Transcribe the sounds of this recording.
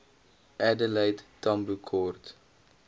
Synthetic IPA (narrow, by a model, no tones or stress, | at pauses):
ɛdəlɛjttɐmbukʰɔrt